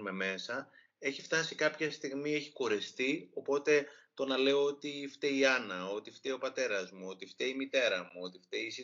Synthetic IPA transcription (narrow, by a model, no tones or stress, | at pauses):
me̞me̞sɐ | e̞çift̪ɐsikɐpçɐst̪iɣmie̞çiko̞ɾe̞st̪io̞po̞t̪e̞t̪o̞nɐle̞o̞o̞t̪ift̪eiɐnɐo̞t̪ift̪eo̞pɐt̪e̞ɾɐzmuo̞t̪ift̪eimit̪e̞ɾɐmuo̞t̪ift̪eisi